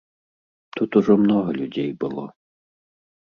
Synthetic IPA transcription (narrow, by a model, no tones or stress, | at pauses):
t̪ut̪ʊʐɔmnɔɦɐlʲʊdʲejbɨlˠɔ̰